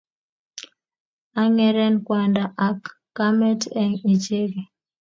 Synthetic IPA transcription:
a˦ŋɛ˦ɾɛ˦nkwa˨ndaʔa˨kː | a˦mɛ˦tɛ˦ŋi˨t͡ʃe˦ɡe˨

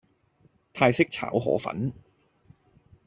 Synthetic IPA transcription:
t̪ʰaː˧jsɪ˥k̚t͡sʰa̰ː˨˥wɦɔ̰ː˨˥fɐ̰˨˥n

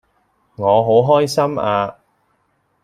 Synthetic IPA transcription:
ŋɔː˨˧ɦo˨˥wɦɔː˥jsɐ˥maː˧

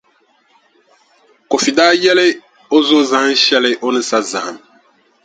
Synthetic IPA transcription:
ko˨fi˨daː˦jɛ˦le˦ | o˦zo˦zã˨˦n˦ʃɛ˦le˦ʔo˦nɨ˦sa˦zã˨ha˨m

